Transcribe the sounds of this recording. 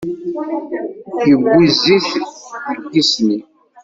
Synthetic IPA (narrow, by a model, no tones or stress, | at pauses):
çəɡʷːiziθəɡːisni